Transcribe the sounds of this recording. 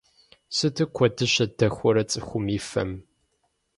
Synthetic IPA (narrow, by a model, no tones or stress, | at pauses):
sɨtʰɨkʷʰɔdɨɕɐdɐxʷɔɾɐt͡sʼɨxʷʊmiːfɐ̰m